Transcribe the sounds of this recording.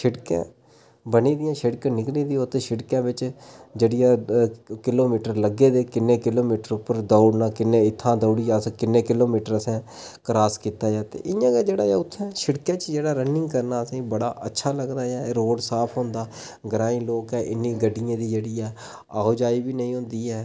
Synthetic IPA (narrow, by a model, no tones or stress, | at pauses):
ʃɪɽkã̰ː | bəniːd̪ɪjãːʃɪɽkãːnɪklĩːd̪iːot̪ʰːeʃɪɽkãːbɪt͡ʃd͡ʒeːɽɪjãːkɪloːmiːʈəɾləɡeːd̪eːkɪnːẽːkɪloːmiːʈəɾʊpːəɾd̪aːʊɽnaːkɪnːẽːɪt̪ʰːãːd̪əʊɽiːjaːskɪnːẽːkɪloːmiːʈəɾəsɛ̃ː | kɾaːskiːt̪aːjaːt̪ḛːʔɪjãːɡaːd͡ʒeːɽaːjaːʊt̪ʰːɛ̃ːʃɪɽkãːt͡ʃd͡ʒeːɽaːɾənːɪ̃ŋɡkəɾnaːəsĩːbəɽa̰ːʔətːʃʰaːləɡd̪aːjaːɾoːɖsaːpʰɦõːnd̪aː | ɡəɾaːĩːloːkɦɛːʔɪnːĩːɡəɖːɪjãːd̪iːd͡ʒeːɽijãː | aːoːd͡ʒaːiːbiːnəĩːɦʊ̃ːnd̪iːɦɛː